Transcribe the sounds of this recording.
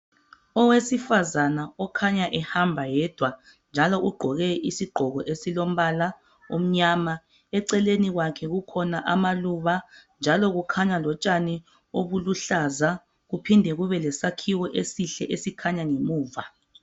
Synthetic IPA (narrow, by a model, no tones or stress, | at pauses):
ɔwesifazanaɔkʰaɲaʔɛhambʱajɛd̥ʱwa | nd͡ʒʱalɔʔuɡ͡ǃʱɔɣɛʔisiɡ͡ǃʱɔɣɔʔesilom̩βala | um̩ɲama | ɛǀɛleniɣwakʰɛɣukʰɔnaʔamaluβand͡ʒʱalɔɣukʰaɲalɔt͡ʃʼani | oβuluɬaza | ɣupʰindʱɛɣuβɛlɛsakʰiwɔʔesiɬɛ̰ʔesikʰaɲaŋemuːva